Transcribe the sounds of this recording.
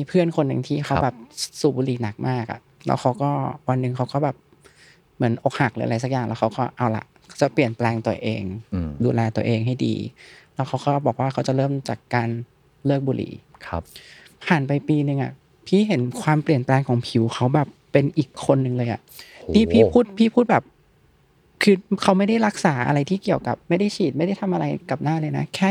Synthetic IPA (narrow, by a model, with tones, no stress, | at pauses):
miː˧pʰɯ˥˩ənkʰo˧nːɯ˧ŋt̪ʰiː˥˩kʰxʰa˦wbɛː˨˩p̚suː˨˩buː˧liː˨˩˦na˨˩k̚maː˥˩k̚ʔa̰˨˩ʔlɛ̰ː˧˦˥wxʰa˦˥wkɔː˥˩wa˧nːɯ˨˧ŋkʰa˦˥wkɔː˥˩bɛː˨˩p̚ | mɯ˩˦ənʔo˨˩k̚ha˨˩k̚lɯː˨˦ʔla˧˦jsa˨˩kjaː˨˩ŋlɛː˦˥kʰa˦˥wkɔː˥˩ʔa˧˩wla̰˨˩ʔkʰa˦˥wt͡ɕa˨˩pli˨˩ənplɛː˧ŋt̪u˧ɐəʔḛː˧ŋduː˧lɛː˧t̪u˧ɐʔeː˧ŋɦa˥˩jdḭː˧lɛː˦˥wkʰxʰa˦˥wkɔː˥˩bɔː˨˩k̚waː˥˩kʰa˦˥wt͡ɕa˨˩lɤː˥˩mt͡ɕa˨˩kːaː˧n | lɤː˥˩k̚buː˧lʔḭː˩˦ | pʰaː˨˩npa˧jpiː˧nɯ˧ŋʔa̰˨˩ | pʰiː˥˩ɦe˩˦nkʰwaː˧mpli˨˩ənplɛː˧ŋkʰɔː˨˩˦ŋpʰi˨˩˦wxʰa˦˥wbɛː˨˩pːe˧nʔiː˨˩kʰːo˧nːɯ˨˧ŋlɤː˧jʔa̰˨˩ʔnʰiː˥˩pʰiː˥˩pʰuː˥˩t̪̚pʰiː˥˩pʰuː˥˩t̪̚bɛː˨˩p̚ | kʰɯː˧kʰa˦˥wma˥˩jda˥˩jɾa˦˥k̚saː˩˦ʔa̰˧ɾa˧jt̪ʰiː˥˩ki˨˩əwka˨˩p̚ma˥˩jda˥˩jt͡ɕʰiː˨˩t̪̚ma˥˩jda˥˩jt̪ʰa˧mʔa˧ɾa˧jka˨˩p̚naː˥˩˨lɤː˧jna˦˥kʰɛː˥˩